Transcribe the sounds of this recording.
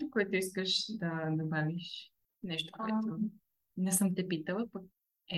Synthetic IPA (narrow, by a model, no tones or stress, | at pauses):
okoɛt̪ʊiskəʃd̪ɐd̪obaviʃ | nɛʃt̪o̥kkoɛt̪o | nɛsɤmt̪ɛpit̪əlˠəpək̚ | ɛ